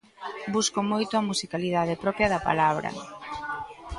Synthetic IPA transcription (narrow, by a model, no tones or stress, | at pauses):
buskomojt̪ʊɐmusikaliðaðepɾɔpjɐðɐpa̰laβ̞ɾɐ̰